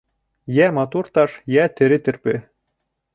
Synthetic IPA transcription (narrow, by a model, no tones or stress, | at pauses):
jæmɑt̪urt̪ɑʃjæt̪ɘ̆ɾɘ̆t̪ɘ̆ɾpɘ